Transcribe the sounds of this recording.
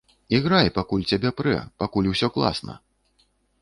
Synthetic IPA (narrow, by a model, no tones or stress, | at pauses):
iɣɾajpakulʲt͡sʲabʲɛpɾɛ̰pakulʲwsʲɔklˠa̰snɐ̰